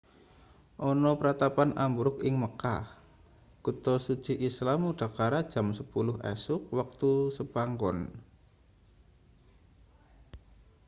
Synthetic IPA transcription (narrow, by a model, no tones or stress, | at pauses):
ʔɔnɔpəɾat̪apanʔambuɾʊkɪŋməkah | kut̪ɔsu̥t͡ʃiʔislamuɖ̥a̤kaɾad̥ʒ̥a̤msəpulʊɦɛ̰sʊk̚wak̚t̪usəbaŋɡɔn